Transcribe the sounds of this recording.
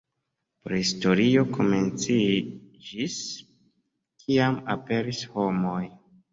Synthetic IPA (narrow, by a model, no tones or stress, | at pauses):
pɾhisto̞ɾio̞kʰo̞me̞nt͡sid͡ʒis | kʰiamape̞ɾisho̞mo̞j